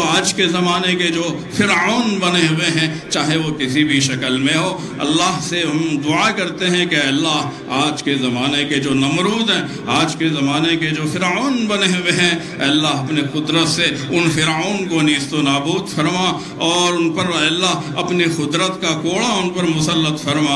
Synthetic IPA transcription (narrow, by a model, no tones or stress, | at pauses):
aːd͡ʒkezɐmaːneked͡ʒoː | fɪɾoːnbɐneɦʊeɦɛ̃t͡ʃaːɦeʋokɪsibʱiʃɐkəlmẽɦoː | ɐ̰lːaɦseɦɐmd̪ʊakɐɾt̪eɦɛ̃keɛːlːaːɦ | aːd͡ʒkezɐmaːneked͡ʒoːnɐmɾuːzɦɛ̃ | aːd͡ʒkezɐmaːneked͡ʒoːfɪɾaːnbɐneɦʊweɦɛ̃ | ɛːlːaːɦɐpnixʊd̪ɾət̪seʊnfɪɾoːnkoniːst̪onaːbuːd̪fɐɾma | ɔːɾʊnpɐɾɛlːaːɦ | ɐpnixʊd̪ɾət̪kakoːɭaʊnpɐɾmʊsəlːət̪fɐɾmaː